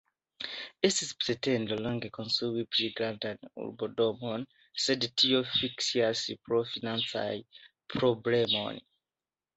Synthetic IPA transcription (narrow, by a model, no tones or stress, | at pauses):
isizpsɛtʰɛ̃ndəlɔ̃ŋɡekʰɔ̃nsuwipʰɹiɡɹãntãnṵbɔdɔmɔ̃n | sɛdtʰiofiksiasipʰɹɔfinãnsa̰l | pʰɹɔblɛmɔ̰̃n